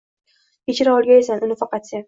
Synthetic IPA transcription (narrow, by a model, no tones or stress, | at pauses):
ket͡ʃɪɾaɒlˠɡʲaesanʊnɪfɑqɑt̪sa